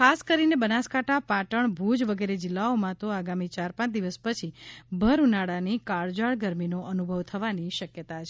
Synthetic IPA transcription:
kʰaskəɾinebənaskãʈʰapaʈəɳbʱud͡ʒʋəɡeɾed͡ʒɪlːaomãt̪oaɡamit͡ʃaɾpãt͡ʃd̪iʋəspət͡ʃʰibʱəɾunaɽanikaɭd͡ʒaɭɡəɾminoʔənubʱəʋt̪ʰəʋaniʃəkjət̪at͡ʃʰe

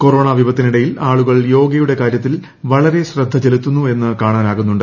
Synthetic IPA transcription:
koɾo̞ːɳɐːʋʱibɐt̪ːiniɽɐjilaːɭuɣɐɭjo̞ːɡɐjuɽe̞kaːɾjɐt̪ːil | ʋɐɭɐɾe̞ɕrɐd̪ʱːɐt͡ɕe̞lut̪ːunːue̞nːɨkaːɳaːnaːɣunːuɳɖɨ

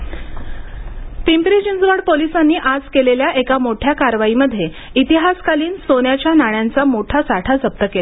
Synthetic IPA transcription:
pimpɾid͡ʑind͡zʋəɽpolisanːiːʔad͡zkeleljaʔekamoʈʰjakaɾʋaiməd̪ʱːje | it̪iɦaskaliːnsonjat͡ɕjanaɳ̃jant͡samoʈʰasaʈʰat͡səp̚t̪əkela

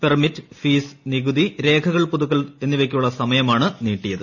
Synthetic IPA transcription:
permitːɨfiːsniɣuðiɾe̞ːkʰɐɣɐɭpuðukːɐle̞nːiʋek̬ʲːijuɭːɐsɐmɐjɐmaːɳɨniːʈːijɐðɨ

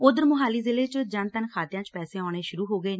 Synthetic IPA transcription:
ʊd̪əɾmʊɦaːliːzɪleːt͡ʃd͡ʒənt̪ənkʰaːt̪ɪjãːt͡ʃpɛːseːɔːɽ̃eːʃʊɾuːɦoːɡəeː

